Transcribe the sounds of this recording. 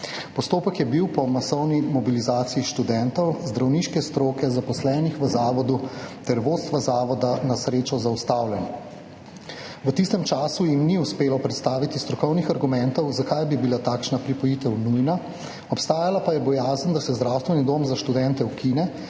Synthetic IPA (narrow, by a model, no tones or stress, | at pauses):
pɔst̪oːpəkjɛbiwpɔmasɔwnimɔbilizaːt̪siiʃt̪ud̪ɛnt̪ɔwzd̪ɾawniːʃkɛst̪ɾoːkɛzapɔslɛːnixʋəzaːʋɔd̪ut̪ɛɾʋoːt̪st̪ʋazaːʋɔd̪anasɾeːt͡ʃɔzaust̪aːwlɛn | ʋət̪ist̪ɛmt͡ʃaːsujimniuspeːlɔpɾɛt̪st̪aːʋit̪ist̪ɾɔkɔwnixaɾɡumɛnt̪ɔwzakajbibilat̪aːkʃnapɾipɔjiːt̪ɛwnujna | ɔpst̪aːjalapajɛbɔjaːzənd̪asɛzd̪ɾawst̪ʋɛnid̪oːmzaʃt̪ud̪ɛnt̪ɛukinɛ